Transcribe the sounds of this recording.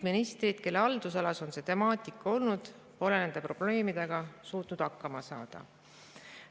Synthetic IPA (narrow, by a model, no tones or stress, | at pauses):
minist̪rid̪̥ke̞lːe̞ɑld̪̥usɑlɑso̞nse̞t̪e̞mɑːt̪ʲˑikːˑo̞lnud̪̥ | po̞le̞ne̞nd̪̥e̞pro̞b̥le̞ːmid̪̥e̞ɡ̥ɑsuːt̪nud̪̥hɑkːɑmɑsɑ̰ːd̪̥ɑ̰